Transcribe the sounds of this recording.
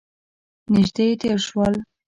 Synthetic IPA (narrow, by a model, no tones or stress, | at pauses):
nɪʒd̪et̪eɾʃwəl